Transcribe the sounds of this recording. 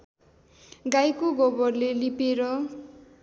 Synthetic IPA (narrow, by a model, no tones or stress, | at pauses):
ɡajkoɡʌbʌrlelipeɾʌ